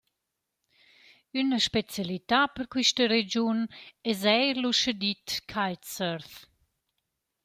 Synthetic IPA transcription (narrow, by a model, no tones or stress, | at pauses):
ynəʃpɛt͡sjalit̪apəɾkwiʃt̪əɾɛd͡ʑunɛzɛjɾluʃəd̪it̪kʰajt̪səɾθ